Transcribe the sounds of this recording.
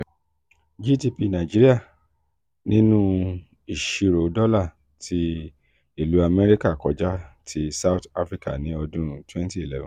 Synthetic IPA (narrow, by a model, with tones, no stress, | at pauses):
d͡ʒi˦˨ti˧pi˧nã˨d͡ʒi˦ɾi˦a˦˨ | nĩ˦nũ˦ | i˨ʃi˧ɾo˨dɔ˦la˦˨ | tʰi˧ | i˨lu˨˦a˧mɛ˦ɾi˦ka˦˨kɔ˨˦d͡ʒa˦tʰi˧˦sa˦wta˦fɾi˦ka̰˦˨nĩ˨˦ɔ˧dũ˦twɛ̃˦nti˦e˨lɛ˦vã˨